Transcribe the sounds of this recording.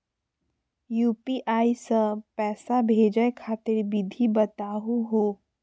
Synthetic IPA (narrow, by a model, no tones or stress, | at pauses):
juːpiʔaːisə̃pɛːsabʱeːd͡ʒəekʰaːt̪ɪɾbɪd̪ʱibət̪aːɦuɦoː